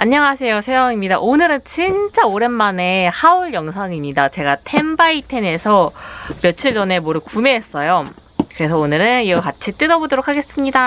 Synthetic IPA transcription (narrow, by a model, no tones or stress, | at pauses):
aɲːʌŋasʰe̞jot͡ɕʰejʌŋimɲidaʔonɯɾɯnt͡ɕint͡ɕ͈aoɾenmane̞hauɭjʌŋsʰaŋimɲidat͡ɕe̞ɡatʰe̞mbaitʰe̞ne̞sʰʌmjʌt͡ɕʰiɭd͡ʑʌne̞moɾɯkumeɦːs͈ʌjo | kɯɾe̞s̬ʰʌonɯɾɯniɡʌkat͡ɕʰit͈ɯnʌbodoɾokʰːaɡe̞s͈ɯmɲida